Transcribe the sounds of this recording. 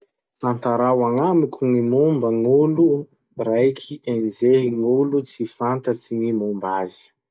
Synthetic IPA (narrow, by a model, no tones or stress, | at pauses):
ant̪aɾawaŋamikʲuŋimumbəŋulu | rajkʰiʔenzeɦiŋulut͡sifant̪ət͡siŋimumbazi̥